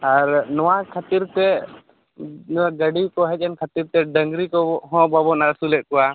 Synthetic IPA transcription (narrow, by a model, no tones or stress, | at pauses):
aɾnɔwakʰat̪iɾt̪ɛ | nɔaɡəɖikɔɦɛc̚ˀɛnkʰat̪iɾt̪ɛɖəŋɡɾikɔɦɔ̃babɔnaɾsulɛʔ̪̚kɔwa